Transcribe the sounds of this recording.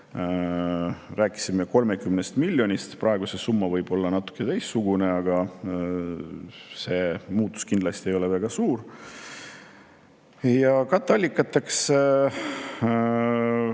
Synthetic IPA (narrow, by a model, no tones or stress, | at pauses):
ræːkːˑi̥simːeko̞lme̞kymnest̪milʲːo̞nʲist̪prɑeɡ̥usesumːɑvɤjb̥o̞lːɑnɑt̪ːˑu̥kːˑet̪ejsːuɡ̥une̞ɑɡ̥ɑ | se̞ːmuːt̪ːˑu̥skind̪lɑst̪iejo̞levæɡ̥ɑsuːr | jɑkɑt̪ːˑɑlʲːikːˑɑt̪ːˑeks